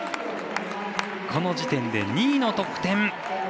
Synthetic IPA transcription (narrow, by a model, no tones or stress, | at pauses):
kʰo̞no̞d͡ʑit̪ẽ̞nd̪e̞̰ɲʲiːno̞t̪o̞kɯ̟̥t̪ẽ̞ɴ